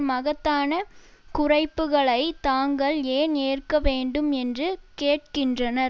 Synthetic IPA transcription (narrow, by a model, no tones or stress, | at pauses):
mɐɣɐt̪ːaːnɐ | kʊrɐɪpːɯɣɐɭɐɪt̪aːŋɡɐɭeːneːrkɐʋeːɳɖɯmɛndrɯkeːʈ̚kɪndrɐnɐɾ